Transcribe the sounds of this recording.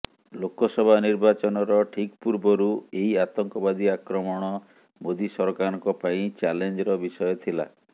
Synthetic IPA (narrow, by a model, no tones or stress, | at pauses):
lokɔsɔbʱaniɾbat͡ʃɔnɔɾɔʈʰikpuɾbɔɾueiat̪ɔŋkɔbad̪iakɾɔmɔɽ̃ɔ | mod̪isɔɾɔkaɾɔŋkɔpaĩt͡ʃalend͡ʒɔɾɔbisɔjɔt̪ʰila̰